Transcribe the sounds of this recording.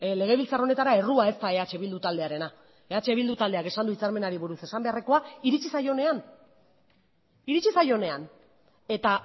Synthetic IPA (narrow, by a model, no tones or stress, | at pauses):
le̞ɣ̞e̞βilt͡saɾro̞ne̞t̪aɾae̞ruae̞st̪ae̞at͡ʃe̞βild̪ut̪ald̪eaɾe̞na | e̞at͡ʃe̞βild̪ut̪ald̪e̞ake̞sand̪uit͡saɾme̞naɾiβuɾuse̞sambe̞areko̞aiɾit͡ʃisajo̞ne̞an | iɾit͡ʃisajo̞ne̞an | e̞t̪a